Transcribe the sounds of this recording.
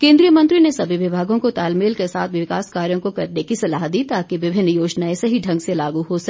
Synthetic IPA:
kẽːnd̪ɾijəmɐ̃nt̪ɾinesɐbʱiʋɪbʱaːɡõkot̪aːlmeːlkesa̰ːt̪ʰʋɪɪkaːskaːɾjõkokɐɾnekisɐlaːɦt̪̚d̪iːt̪aːkiʋɪbʱɪnːjoːd͡ʒnaːesɐɦiɖʱɐ̃ŋɡselaːɡuɦosɐk

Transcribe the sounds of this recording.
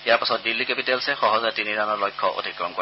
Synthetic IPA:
iaɹpasɔt̚dilːikepitɛlsɛxɔɦɔzatiniɹanɔlɔjkʰːɔʔo̰dʱikɹɔmkoɹ

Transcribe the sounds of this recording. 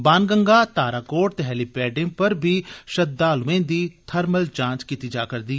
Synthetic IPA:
baːnɡəŋɡaːt̪aːɾaːkoːʈ̚t̪eɦɛːlipɛːɖẽːpəɾbʱiːʃəd̪aːlʊʋẽːd̪iːt̪ʰəɾməlt͡ʃãːt͡ʃkit̪iːd͡ʒa̰ːkəɾd̪iː

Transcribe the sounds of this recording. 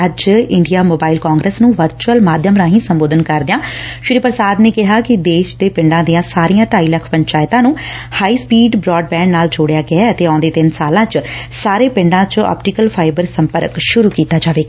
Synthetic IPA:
əd͡ʒɪɳɖijaːmoːbaːilkaːŋɡɾəsnũːʋəɾt͡ʃuəlmaːd̪ʱjəmɾãːɦĩːsəmboːd̪ənkəɾd̪ɪjãːʃʊɾiːpəɾsaːd̪neːkɪɦaːkɪd̪eːʃd̪eːpɪɳɖãːd̪ijãːsaːɾijãːʈaːiːləkʰpəɲt͡ʃaːɪt̪ãːnũːhaːiːspiːɖbɾɔːɖ̚bɛ̃ːɳɖnaːld͡ʒoːɽejaːɡɪaːət̪eːãd̪eːt̪ɪnsaːlãːt͡ʃsaːɾeːpɪ̃ɳɖãːt͡ʃɔ̰ːpʈikəlpʰaːɪbəɾsəmpəɾkʃʊɾuːkiːt̪aːd͡ʒaːʋeːaː

